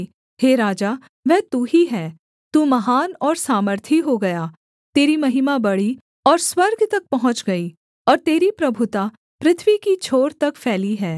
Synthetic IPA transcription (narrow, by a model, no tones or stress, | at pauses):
heːɾaːd͡ʒaː | ʋɛɦt̪uɦiɦɛː | t̪uːmɐɦaːnɔːɾsaːməɾt̪ʰiɦoɡɐjaː | t̪eːɾimɐɦɪmabɐɽi | ɔːɾswɐɾɡt̪ɐk̚pɐɦʊ̃t͡ʃɡɐi | ɔːɾt̪eːɾipɾɐbʱʊt̪a | pɾɪt̪ʰʋikit͡ʃʰoːɾt̪ɐkfʰɛːliɦɛː